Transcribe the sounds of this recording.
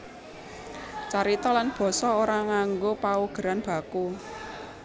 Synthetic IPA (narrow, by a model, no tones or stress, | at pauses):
t͡ʃaɾit̪ɔlanb̥ɔ̤sɔoɾaŋaŋɡopauɡ̥ə̤ɾanb̥ä̤ku